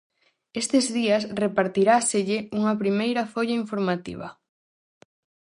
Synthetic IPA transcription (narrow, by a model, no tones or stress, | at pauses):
est̪ɪzðiɐsrepaɾt̪iɾaseʎɪuŋɐpɾimejɾɐfoʎaiɱfoɾmat̪ḭβɐ̰